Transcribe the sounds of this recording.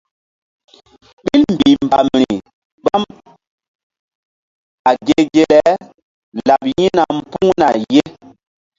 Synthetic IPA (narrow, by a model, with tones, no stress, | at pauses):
ɓi˦lm˨bi˨mba˨mɾi˨ | ɓa˦m | a˨ɡe˨ɡe˨le˦ | la˨pji˦na˨m̩˦˨pu˦ŋna˨je˦